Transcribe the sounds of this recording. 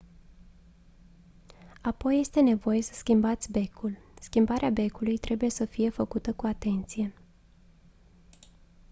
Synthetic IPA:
apo̞jːe̞st̪e̞ne̞vo̞je̞sə̥skʲimbat̪sʲbe̞kʰulskʲimbaɾʔeabe̞kulujt̪ɾʔe̞buje̞səfije̞fəkut̪əkuat̪e̞nt̪sije̞

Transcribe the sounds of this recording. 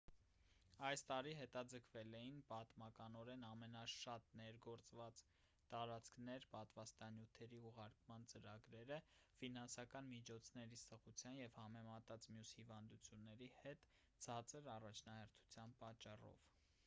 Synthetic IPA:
ɑjst̪ɑɾiɦɛt̪ɑd͡zəkʰvɛlɛjinpɑt̪mɑkɑnɔɾɛnɑmɛnɑʃɑt̪nɛɾɡɔɾt͡svɑt͡s | t̪ɑɾɑt͡sʰkʰnɛɾpɑt̪vɑst̪ɑnjut̪ʰɛɾiuʁɑɾkmɑnt͡səɾɑɡɾɛɾəfinɑnsɑkɑnmit͡ʃʰɔt͡sʰnɛɾisəʁut͡sʰjɑnjɛvhɑmɛmɑt̪ɑt͡smjushivɑnd̪ut͡sʰjunːɛɾihɛt̪ | t͡sʰɑt͡sʰəɾɑrɑt͡ʃʰnɑhɛɾt̪ʰu̥t͡sʰjɑnpɑt͡ʃːɑrɔ̰v̥

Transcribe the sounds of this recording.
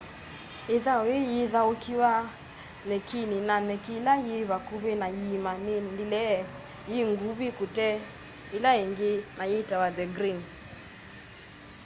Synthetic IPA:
iðawejiðaokiwa | nɛkininanɛkilajiβakuβenajimanindilɛ | jiŋɡuβikutɛ | ilaiŋɡenajitawaðɛɡɾin

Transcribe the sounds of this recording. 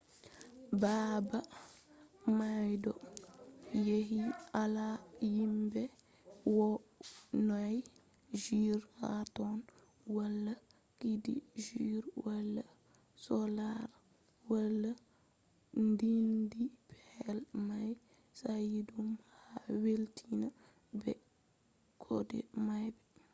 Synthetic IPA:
baba | majdɔ | jeɦialajimbɛ | wɔ | naj | d͡ʒiɾha̰tɔn | walːa | kidḭʒiɾwalːa | sɔlaɾ | walːa | ndindipʰɛlmaj | sajidumhaweltʰina | bɛ | kʰɔ̰dɛ̰majbɛ

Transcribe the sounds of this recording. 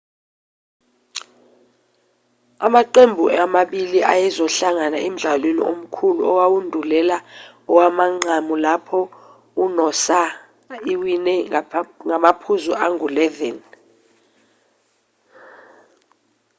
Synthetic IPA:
amaǀembʱuamaɓiliʔa̰jɛzɔɬaŋanaem̩ɮalwenḭʔom̩kʰuluɔwawundʱulɛla | ɔwamaŋ͡ǀʱamulapʰɔ | unɔsa | iwinɛŋamapʰuzuʔaŋʱulɛvɛn

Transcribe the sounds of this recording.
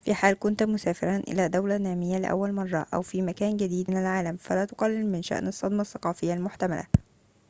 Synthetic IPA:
fiːħaːlkʊnt̪mʊsaæːfɪɾɑnʔɪ̰læːd̪awlænæːmɪjːalɪʔæ̰wːælmɑrˤːɑ̰ʔæ̰wfiːmækæːnɡæd̪iːd̪ɪnælʕaːlæmfælæːt̪ʊ̥qɑlːɪlmɪnʃæ̰ʔnɑsˤːɑd̪mɑsːɑqɑːfɪjːalmʊħt̪æmæ̰læ̰

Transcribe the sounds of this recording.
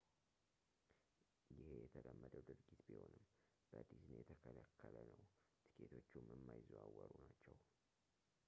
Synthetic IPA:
jɪhe̞jɛt̪ʰəd̪əmːəd̪əwd̪ɨɾɡit̪biho̞nɨm | b̥əd̪izɨnjɛt̪ʰəkʰəlakʰːələnəw | t̪ʰɨ̥kʰet̪ʰo̞t͡ʃːumɨmːajzuwawːəɾunat͡ʃːɛw

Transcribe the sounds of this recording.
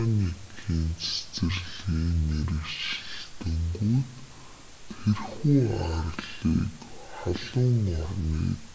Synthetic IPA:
mʲikʰiːnt͡sʰe̥t͡sɘ̆rɮiːneɾɘ̆kt͡ɕɪ̆ɬt̪ɵ̆ŋɡujt̪ | t̪ʰerxuːarɮḭːkχaɮʊŋʊrniḭːk

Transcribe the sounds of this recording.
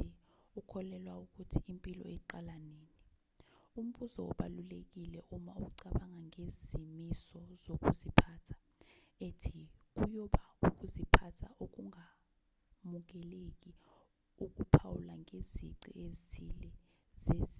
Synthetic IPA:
ukʰɔlɛlwauk̬ʼutʰiimpʼilɔ̰ɛǃalaneːni | um̩ɓuzɔɔ̰ɓalulek̬ilɛʔumauk̬uǀaɓaŋaŋezimisɔzok̬ʼuzipʰaːtʰḁ | etʰik̬ujɔɓauk̬ʼuzipʰatʰaʔok̬uŋa | muk̬ɛlek̬ʼi | uk̬ʼupʰawulaŋʱezḭǀḭezitʰilɛ | zez

